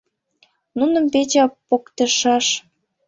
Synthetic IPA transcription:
nunə̆mpet͡ɕɑpokt̪ə̆ʃɑʃ

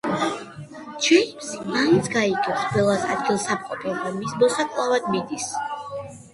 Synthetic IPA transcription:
t͡ʃʰɛmsansɡaiɡɛsqʼwɛlˠasa̰d̪̚ɡilˠsap̚qʼɔpʰɛbamismɔsakʼlˠavad̪̚mid̪is

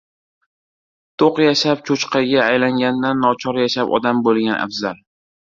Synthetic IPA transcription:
t̪ʰoqjaʃap̚t͡ʃʰot͡ʃqʰɑɡʲaːjlaŋɡʲand̪anːɒt͡ʃʰɒɾjaʃapɒ̰d̪ambolˠɡʲanʔa̰fzal

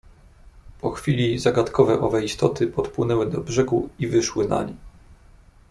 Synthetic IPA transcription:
pʰɔxfʲilʲizaɡat̪kʰɔvɛʔɔvɛist̪ɔt̪ɘpɔt̪pwɘnɛwɘd̪ɔbʐɛɡuivɘʂwɘna̰ɲʲi

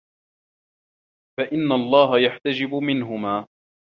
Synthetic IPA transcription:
faʔɪnːalˤːɑːɦajaħt̪ad͡ʒɪbʊmɪnɦʊmaː

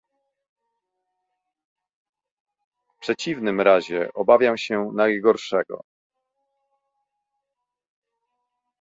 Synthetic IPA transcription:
fpʂɛt͡ɕivnɘmɾaʑɛʔɔbavʲjamɕɛnajɡɔɾʂɛɡɔ̰

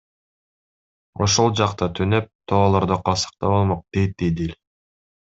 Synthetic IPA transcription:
oʃolˠd͡ʒɑqt̪ɑt̪ʰynøp̚t̪ʰoːlˠoɾd̪oqʰɑsə̥q̚t̪ɑbo̞lˠmoq̚d̪̥ejt̪̚d̪ed̪elʲ

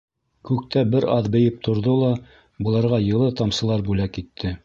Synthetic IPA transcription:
kʉk̚t̪æbɘɾɑðbɘ̆jɘp̚t̪ʰŏɾðolˠɑ | bɤ̆lˠɑɾʁɑjɤ̆lˠɤt̪ɑmsɤ̆lˠɑɾbʉlækit̪ʰːɘ

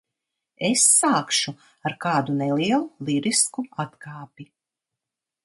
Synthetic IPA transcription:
esːaːkʃu | aɾkaːd̪uneliɛlˠulˠiɾiskuat̪kʰaːpi

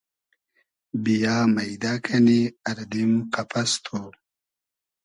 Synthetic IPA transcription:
bijaːmɐjd̪aːkʰɐniɐɾd̪imqɐpʰɐst̪ʰo

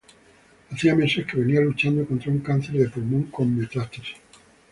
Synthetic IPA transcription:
aθiame̞se̞hke̞βe̞nialut͡ʃand̪o̞ko̞nt̪ɾauŋkan̟θe̞ɾðe̞pulmõŋkõ̞mːet̪ɾat̪es

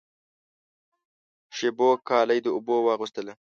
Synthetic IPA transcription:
ʃebokɑːlajd̪əʊbowɑɣust̪əla

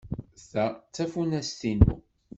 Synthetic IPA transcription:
θæt͡sːæfunæst̪inṵ

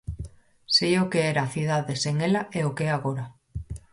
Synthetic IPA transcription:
seokeeɾaθið̞aðeseŋelaʔeokeaɣoɾa

